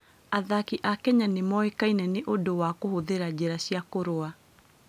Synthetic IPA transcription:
aðakiʔakɛɲanemɔekainɛneʔodowakohoðeɾad͡ʑeɾaɕjakoɾoa

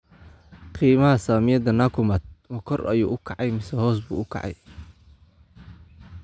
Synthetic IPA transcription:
qiːmɐɦɐsaːmɪjɐd̪ɐnaːkʰʊmɐt̪̚mɐkʰɔrʔɐ̰juːʔʊkʰɑʕɑjmɪsɛhɔːsbṵːʊkʰɑ̰ʕɑ̰j

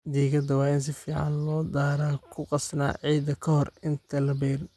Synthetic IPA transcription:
d̪iːɣɐd̪ɐwɑːɪns̬ɪfiːʕɑ̰nlɔːd̪aːɾaːkʰʊqɑsna̰ːʕiːd̪ɐkʰɐhɔrɪnt̪ʰɐlɐbɛːr

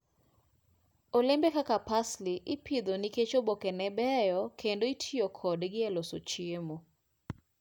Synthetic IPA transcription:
olembekakapasliʔɪpʰid̪oniket͡ʃobokɛnɛbɛjɔkʰendoitʰijokʰɔdɡɪɛlosot͡ʃɪemo

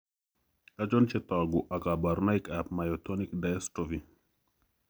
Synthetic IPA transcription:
ad͡ʒɔnt͡ʃɛt̪aɡuʔakabaɾnaikap̚majɔt̪onikdaɛstovi

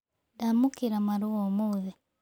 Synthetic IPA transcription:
damukiɾamaɾuwomuβe

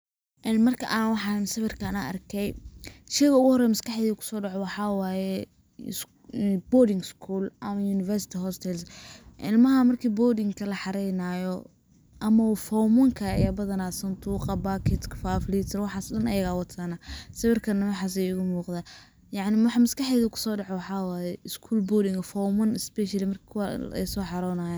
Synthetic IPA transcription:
ʔɛnmɐrkʰɐʔaːnwɑħɑɪmsɐβɪrkʰɐnaʔɐ̰rkʰɛjʃɛjɣɐʊɣʊhɔɾɛjmɐskɑħɛðiːkʰʊ̥sɔːɖɑʕɔwɑħɑwɑːjɛ | bɔːdɪŋɡskʰuːlʔɐmɐjuːnɪfɛrsɪ̥t̪ʰɪɦɔst̪ʰɛlsʔɪ̰lmɐɦɐmɐrkʰiːbɔːdɪŋkʰɐlɐħɑɾɛjnaːjɔ | ʔɐmɐfɔmɐŋkʰɐjɐbɐðɐnaːsɐnt̪ʰuːqɑbakʰɪt̪kʰfaːflit̪ʰɐwɑħɑːsɗɐnɐjɐɣaːwɑt̪ʰanɐsɐwɪrkʰɐnɐwɑħɑːs̬ɛjʊɣʊmuːqd̪aː | jɑʕnɪmħmɐskɑħɛːðɐkʰʊ̥sɔːɖɑʕɔwɑħɑwaːjɛɪskʰuːlbɔdɪŋɐfɔmɐnɪsbɛʃɐlɪmɐrkʰːkʰwɛ̰jsɔːħɑɾɔːnaːjaːn

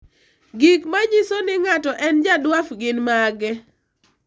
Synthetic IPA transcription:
ɡikmaɲisonɪŋatɔʔɛnd͡ʒadwafɡɪnmaɡɛ

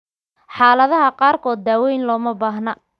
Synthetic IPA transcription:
ħɑːlɐðɐɦɐqɑːrkʰɔːd̪ːaːwɛjnlɔːmɐbaːɦnɐ

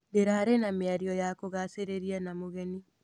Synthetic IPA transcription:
deɾaɾenameaɾiɔjakoɣaseɾeɾianamoɣɛni

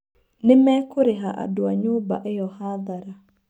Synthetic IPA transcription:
nɪmekʊɾɪɦaʔa̰dʊaɲʊba̰ʔɪjɔhaðaɾa

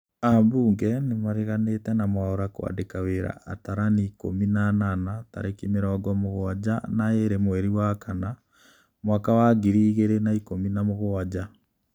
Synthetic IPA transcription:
ambuːŋɡɛnemaɾeɣanetɛnamwaɔɾakwa̰dekaweɾa̰ataɾaniːko̰minananata̰ɾekimeɾɔɡɔmoɣoad͡ʑanaeɾemwɛɾiwakana | mwaːkawaɡiɾiɣeɾenaikominamoɣoad͡ʑa

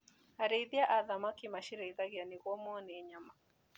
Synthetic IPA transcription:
aɾɛiðiaʔaðamakimaʃiɾɛiðaɣjaniɣɔmɔnɛːɲama

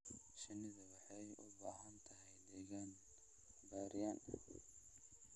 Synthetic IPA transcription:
ʃɐnɪðɐwɑħɑjʔʊ̰baːɦɐnt̪ʰɐɦɛjd̪ɛɣan | baːɾɪjanɐ

